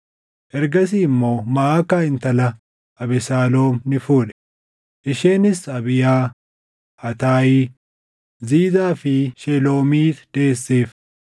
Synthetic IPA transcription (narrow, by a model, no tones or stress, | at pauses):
ʔɛɾɡɐs̬iːɪmːo̞ːmɐaːkaːɪnt̪ɐlɐ | ʔɐbɪsaːlo̞ːmnɪfuːᶑɛ̥ | ʔɪʃeːnɪsɐbɪjaː | ɐt̪aːjiː | ziːzaːfɪʃɛlo̞ːmiːt̪d̪̥e̞ːsːeːf